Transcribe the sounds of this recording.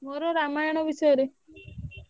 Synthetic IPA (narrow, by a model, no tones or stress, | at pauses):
moɾɔɾamajɔɽ̃ɔbisɔjɔɾe